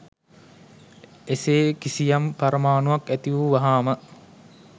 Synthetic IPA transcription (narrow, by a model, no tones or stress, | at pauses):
eseːkisijampaɾəmaːnuʋakæt̪iʋuʋaɦaːmə